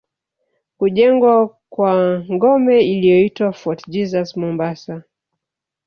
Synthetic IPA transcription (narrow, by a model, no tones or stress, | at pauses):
kuʄɛŋɡwa | kwaŋɡɔmɛilijɔitwafɔtd͡ʒizasmɔmbasa